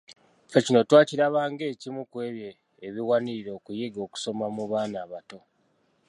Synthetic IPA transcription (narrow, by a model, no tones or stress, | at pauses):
fe̞cino̞twaːciɾaβaːŋɡe̞ːcimukwe̞ːβjeː | βiwaniɾiɾo̞ːkujeɡo̞ːku̥so̞mamuβaːnaːβato̞